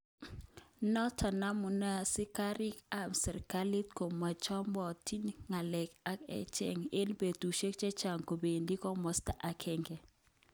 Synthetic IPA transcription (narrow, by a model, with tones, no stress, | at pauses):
nɔ˦tʰa˨na˦mu˨na˦sɪ˦ka˦ɾɪ˦ka˦˨msɛ˨ɾka˦li˦tko˨ma˨t͡ʃɔ˦mbɔ˨ti˦nŋa˨lɛ˨ka˦kɛ̰˦t͡ʃɛ̰˦ŋe˦nbe˨tu˨ʃe˦k̚t͡ʃɛ˦t͡ʃa˨ŋko˨be˨ndi˦kɔ˦mɔ˨˦sta˦ʔa˨kʰɛ˦ŋɡɛ˨